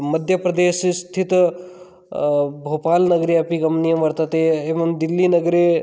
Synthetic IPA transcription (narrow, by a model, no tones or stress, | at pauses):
məd̪ʱjəpɾɐd̪eːsst̪ʰit̪ | bʱopaːlnɐɡɾiapiɡɐmnijəmʋɐɾt̪ɐt̪eeːʋɐmd̪ilːinəɡɾe